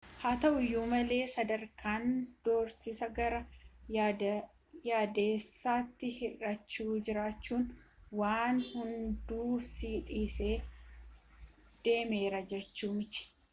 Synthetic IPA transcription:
haːt̪ɐʔʊjːuːmɐle̞ːsɐd̪ɐɾkʰaːnd̪̥oːɾsɪsɐɡɐɾɐ | jaːd̪eːsːaːt̪ːɪhɪrɐt͡ʃːuːd͡ʒɪɾaːt͡ʃːuːn | waːnhʊnd̪uːsiːt̪ʼiːse̞ː | d̪̥e̞ːme̞ːɾɐd͡ʒɛt͡ʃːuːmɪt͡ʃɪ̥

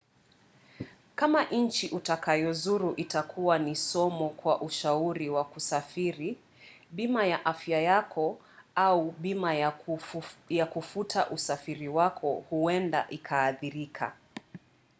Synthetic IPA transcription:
kamaʔɲn̩t͡ʃiʔutakʰajɔzuɾuʔitakʰuwanisɔmɔkwaʔuʃauɾiwakusafiɾi | ɓimajaʔafjajakʰɔ | auɓima | jakufutʰaʔusafiɾiwakʰɔhuɛnda̰ʔikʰaːθiɾikʰa̰

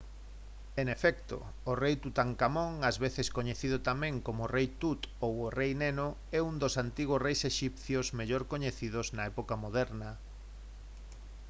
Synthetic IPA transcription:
eŋefɛk̚t̪o̰ː | rejt̪ut̪aŋkamõŋazβeθeskoɲeθiðʊt̪amẽŋkomoːrejt̪ut̪oworejneno | ɛund̪osant̪iɣ̞ʊrejseʃipθjozmeʎoɾkoɲeθiðʊznɐɛpokamoðɛɾnɐ

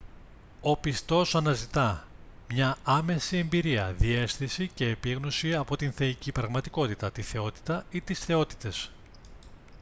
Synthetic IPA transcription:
o̞pist̪o̞sɐnɐzit̪ɐ | mɲɐɐme̞sie̞mbiɾiɐ̰ðie̞sθisice̞ːpiɣnosiɐpo̞t̪inθe̞icipɾɐɣmɐt̪iko̞t̪it̪ɐt̪iθe̞o̞t̪i̥t̪ɐit̪isθe̞o̞t̪i̥t̪e̞s

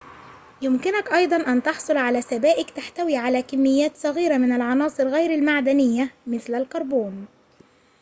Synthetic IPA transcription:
jʊmkɪnakʔɑjd̪ˤɑnʔant̪ɑħsˤʊlʕalaːsabæːʔɪkt̪aħt̪awiːʕalæːkamːɪjːæːt̪sˤɑɣiːɾamɪnalʕɑnɑːsˤɨɾɣajɾalmaʕd̪anɪjːamɪθlalkɑɾˤbuːn

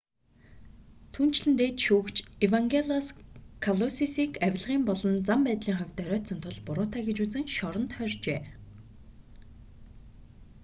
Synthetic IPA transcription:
t̪ʰuːn̥t͡ɕɮɘ̆nt̪eːt̪ʃuːkt͡ɕewaŋɡeɮɔskʰaɮɔsisiːkæw̆ʲɮʁiːmpɔɮɞ̆nt͡sampæːt̪ɮiːŋχœwʲt̪œɾʲœːt̪sə̆nt̪ʰʊɮpʊɾʊːt̪aːɡet͡ɕut͡sɘ̆ŋʃɔɾɞ̆nt̪χœrʲt͡ɕeː

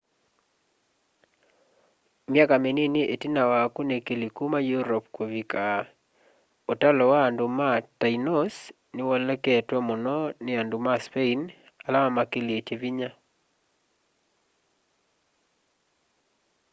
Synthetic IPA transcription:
mjakameneneʔetinawakunekelikumajuɾɔp̚kwovika | otalɔwaːndomatainɔs | nɪwɔlɛkɛtwɔmɔnɔnɪandumaspein | alamamakelieteviɲa

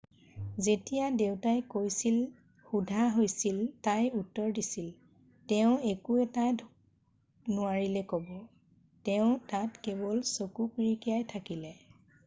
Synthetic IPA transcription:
zetijadeʊtajkojsil | xudʱaɦojsiltajutːɔɹdisil | tɛʊ̃ekuɛtadʱ | nʊaɹilɛkɔbɔ | tɛʊ̃tatkɛbɔlsokupɹikijajtʰakilɛ

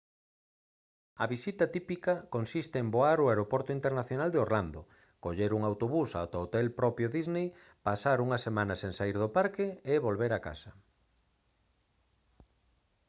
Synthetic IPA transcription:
ɐβisit̪ɐt̪ipikɐkonsist̪ɪemboaɾʊeɾopɔɾt̪ʊint̪eɾnaθjonald̪eoɾland̪o | koʎeɾuŋawt̪oβusa̰wt̪aot̪ɛlpɾɔpjoðiznej | pasaɾuŋɐsemãnɐseŋsaiɾðʊpaɾkɪeβolβeɾaka̰sɐ

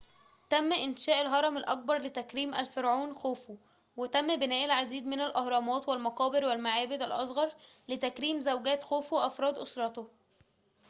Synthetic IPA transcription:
t̪æmːʔɪnʃæːʔælɦɑɾˤɑmɪlʔɑk̚bɑɾˤlɪt̪ækɾiːmʔælfeɾʕuːnxoːfo | wet̪æmːbɪnæːʔlʕad̪iːd̪mɪnælʔɑhɾˤɑmɑːt̪wælmɑqɑːbɪɾwælmaʕaːbɪd̪ælʔɑsˤɣɑɾˤlɪt̪ækɾiːmzæwɡæːt̪xoːfweʔɑfɾˤɑːd̪ʔosɾˤɑt̪o

